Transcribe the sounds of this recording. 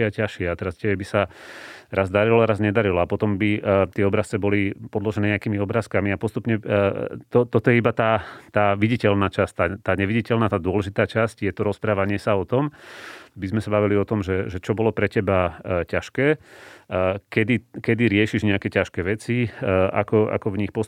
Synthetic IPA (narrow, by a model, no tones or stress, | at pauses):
acaʃɪɛat̪ɛɾastɛbɛbisa | ɾazd̪aɾilɔaɾazɲɛd̪aɾilɔapɔt̪ɔmbit̪ɪɛɔbɾast͡sɛbɔlipɔd̪lɔʒɛnɛɲɛakiːmiɔbɾaːskamiapɔst̪upɲɛt̪ɔt̪ɔt̪ɔjɛibat̪aːt̪aːʋiɟicɛlnaːt͡ʃast̪aːt̪aːɲɛʋiɟicɛlnaːt̪aːd̪ʊɔlɛʒit̪aːt͡ʃascjɛt̪ɔɾɔspɾaːʋaɲɪɛsaɔt̪ɔmbizmɛsabaʋiliɔt̪ɔmʒɛʒɛt͡ʃɔbɔlɔpɾɛcɛbacaʃkɛː | kɛd̪ikɛd̪iɾɪɛʃiʒɲɛakɛcaʃkɛːʋɛt͡siʔa̰kɔʔa̰kɔvɲixpɔs